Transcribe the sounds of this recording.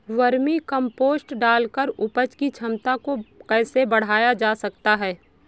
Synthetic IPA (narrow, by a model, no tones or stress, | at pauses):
ʋɐɾmikɐ̃mpoːsʈɖaːlkəɾʊpət͡ʃkit͡ʃʰɐmt̪akokɛːsebɐɽ̤aːjad͡ʒaːsɐkt̪aɦɛː